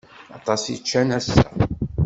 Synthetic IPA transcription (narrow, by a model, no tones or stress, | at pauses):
ɑ̰t̪ˤɑsit͡ʃːænæsːæ